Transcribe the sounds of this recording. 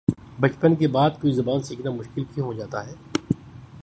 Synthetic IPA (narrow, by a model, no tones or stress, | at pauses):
bɐt͡ʃpənkebaːd̪̚koːizɐbaːnsiːknamʊʃkɪlkʰiɦod͡ʒaːt̪aɦɛː